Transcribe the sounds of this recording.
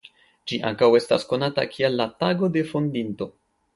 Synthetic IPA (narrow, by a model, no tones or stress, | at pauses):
d͡ʒiʔa̰ŋkawe̞stasko̞nata̰kʰialːataɡo̞de̞fo̞ndinto̞